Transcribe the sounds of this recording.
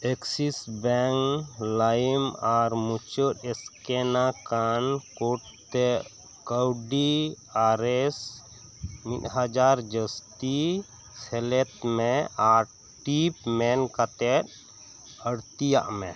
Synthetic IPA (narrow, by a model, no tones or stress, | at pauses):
eksisbɛŋlajmaɾmut͡ʃət̪ɛskɛnakankuʈ̚t̪ɛ | kəwɖi | aɾɛs | mit̪ɦad͡ʒaɾd͡ʒəst̪i | sɛlɛt̪mɛaɾ | ʈipmɛnkat̪ɛt̪̚ | əɽt̪ija̰ʔmɛ